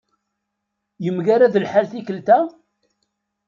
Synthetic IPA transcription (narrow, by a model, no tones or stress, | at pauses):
jəmɡaɾaðəlħalθikəlt̪æ